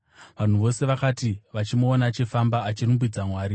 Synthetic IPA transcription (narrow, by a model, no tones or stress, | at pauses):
ʋan̤uʋo̞se̞ʋakaːtiʋat͡ʃimoːnat͡ʃe̞fambaːt͡ʃirumbid͡zamwaːɾi